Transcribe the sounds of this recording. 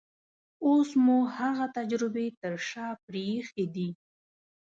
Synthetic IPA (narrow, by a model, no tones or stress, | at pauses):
osmuhaɣat̪ad͡ʒɾɪbet̪əɾʃɑpɾexed̪i